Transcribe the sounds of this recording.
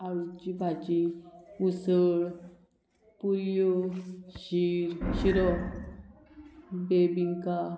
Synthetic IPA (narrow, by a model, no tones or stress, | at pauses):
aɾut͡ɕibʱat͡ɕiusəɭ | puɾjoɕiɾɕiɾɔ | bebiŋka